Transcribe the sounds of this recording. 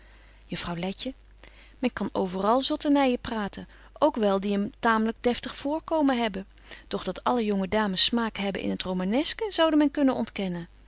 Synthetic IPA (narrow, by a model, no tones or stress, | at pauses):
jəfrɑwlɛcə | mɛnkɑnowvərɑlˠzɔtənajəpraːtən | ʔowkʋɛlˠdiəmtaːmələɡ̚dɛftəχfʊːɹkowmənɦɛbə | d̥ɔχd̥ɑtʰɑləjɔŋədaːməsːmaːkɦɛbə̰ʔɪ̰nɦətrowmanɛskəz̥ɑwdəmɛnkɵnənɔ̰ntkɛnən